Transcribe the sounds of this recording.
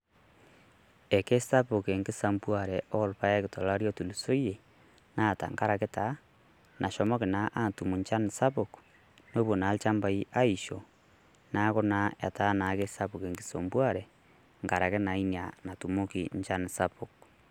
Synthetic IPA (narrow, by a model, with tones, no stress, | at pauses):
e˨ke˦sta˦pu˨ke˨ŋɡe˦sa˦mbwa˨ɾɛo˦lu˨pa˦je˦keto˨laɾjo˦tu˨lu˨so˦je˨ | na˨ta̰˨ŋka˦ɾa˨ke˦ta | nʔa˨ʃɔ˨mo˦ke˨naʔa˦tu˨mu˨ɲt͡ʃa˦ni˨sa˦pok | no˦βo˨na˨lt͡ʃa˦mba˨i˦ʔa˦iʃo˨ | na˦ɣo˦naa̰˨ta˦na˨ke˦ssa˦puke˨ŋɡe˨sombwa˦ɾe˨ | ŋka˨ɾaɣe˦na˨i˦nia˨na˨tu˨mo˦kiɲt͡ʃa˦ni˨sapok̚